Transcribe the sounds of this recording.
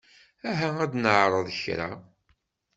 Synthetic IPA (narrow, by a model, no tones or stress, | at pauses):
æɦææd̪nəʕɾˤəðˤəçɾa̰